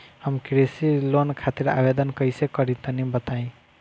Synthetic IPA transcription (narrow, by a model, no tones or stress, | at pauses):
həmkɾesilonkʰat̪iɾa̰bed̪ənkəɪsekəɾit̪ənibət̪aĩ